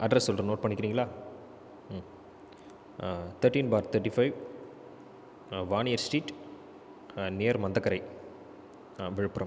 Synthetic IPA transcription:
ʔɐɖɾɐsːɔlrɐnoːʈ̚pɐɳːɪkːɾiːŋɡɐɭaː | t̪ʰɐɾʈiːnbaːɾt̪ʰɐʈːifɐɪʋ | ʋaːnɪjɐɾsʈiːʈ | nejɐɾmɐnd̪ɐkːɐɾɐɪ | ʋɪɻɯpːɯɾɐ̃m

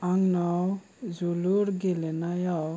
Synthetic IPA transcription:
aŋnaw | zuluɾɡelenajaw

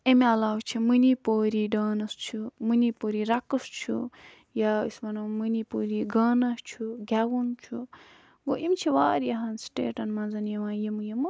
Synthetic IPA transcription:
emeɐlaːwt͡ʃʰimɨnipoːɾiɖaːnɐst͡ʃʰumɨnipoːɾiɾɐkɨst͡ʃʰṵ | jaismɐnɐmɨnipoːɾiɡaːnast͡ʃʰuɡʲawunt͡ʃʰu | ɡoʔimt͡ʃʰiʋaːɾjɐɦɐnsʈḛːʈɐnmɐnzɐnjɐʋãːjimɨjɐmɨ

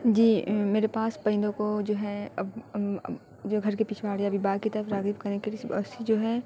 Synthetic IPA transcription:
d͡ʒiːmeːɾepaːspɐ̃ɪ̃nd̪õkod͡ʒoːɦɛɐb̰ | d͡ʒoɡʱɐɾkepiːt͡ʃʰʋaːɽjabibaːɡkit̪ɐɾəfɾaːɡifkɐɾnekelsɐsid͡ʒoːɦɛː

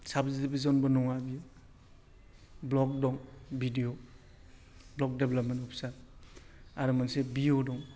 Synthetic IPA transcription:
sabzidibizɔnbɔnɔŋabija | blɔk̚dɔŋbidio | blɔk̚deblɔpmentɔpʰsa | aɾɯmansebiodɔŋ

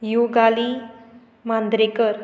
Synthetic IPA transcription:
juɡali | mãnd̪ɾekəɾ

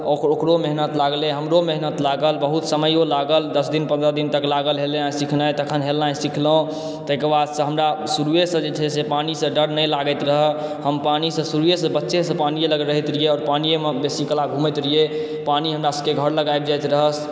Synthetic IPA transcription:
ookɾomeɦnət̪laɡlẽɦəmɾomeɦnət̪laɡəlbəɦut̪səməjolaɡəld̪əsd̪inpənd̪ɾəd̪int̪əklaɡəlɦeleãsikʰnət̪əkʰənɦelãsikʰlɦõ | t̪əkəɾbad̪sə̃ɦəmɾasuɾujesə̃d͡ʒeʈʰesepanisə̃ɖəɾnəjlaɡət̪ɾəɦəhəmpanisə̃suɾujesə̃bətːʃesə̃panijeləɡɾəɦit̪ɾijeɔːɾpanijemebesiklaɡʱũmɛt̪ɾie | paniɦəmɾasə̃keɡʱəɾləɡajb̚d͡ʒajt̪ɾəɦəs

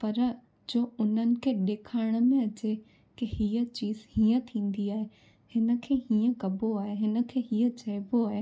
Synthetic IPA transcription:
pɐɾ | d͡ʑoːʊn̤ənɪ̆kʰeːɗ̪eːkʰaːɪɽ̃mẽɐt͡ɕe | kihiːət͡ɕiːzhĩːə̃t̪ʰĩːn̆d̪iaːɦe | hɪnə̆kʰeːhiːə̃kɐboaːɦeɦɪnə̆kʰeːɦiːət͡ɕɐɪboaːɦe

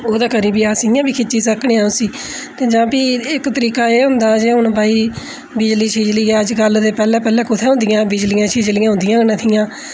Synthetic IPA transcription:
oːd̪aːkəɾiːbiːaːsɪjãːbiːkʰɪt͡ʃiːsəkɽẽːãːʊsiː | t̪eːd͡ʒãːpiːɪkt̪əɾiːkaːeːɦʊnd̪aːd͡ʒeːɦʊnbaːiː | bɪd͡ʒliːt͡ʃʰiːd͡ʒliːɛːəd͡ʒɡəld̪eːpɛːlɛ̃ːpɛːlɛ̃ːkʊt̪ʰeːɦʊ̃nd̪ɪjãːbɪd͡ʒlijãːt͡ʃʰiːd͡ʒliːãːɦʊ̃nd̪ɪjãːnət̪ʰɪjãː

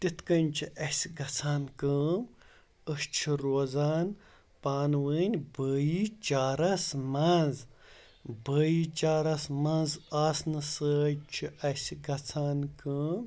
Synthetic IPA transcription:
t̪it̪kɐnʲt͡ʃʰiʔɐsʲɡɐt͡sʰaːnkəːm | əʃt͡ʃʰiɾoːzaːn | paːnʋəːnʲbəːjit͡ʃaːɾɐsmɐnz | bəːjit͡ʃaːɾɐsmɐnzɐsnɨsəːjt͡ʃʰiʔɐsʲiɡɐt͡sʰaːnkəːm

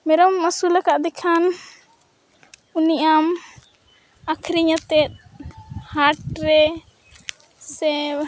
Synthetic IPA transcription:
mɛɾɔmasulakaʔd̪ɛkʰan | uniʔam | akʰɾiɲat̪ɛt̪̚haɾʈ̚ɾɛ | sɛ

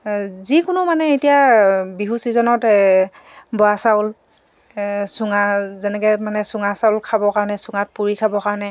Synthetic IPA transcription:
zikʊnʊmanɛetijabiɦusizɔnɔt | bɔasawʊl | sʊŋazɛnɛkɛmanɛsʊŋasaʊlkʰabɔkaɹɔnɛsʊŋat̚puɹikʰabɔkaɹɔnɛ

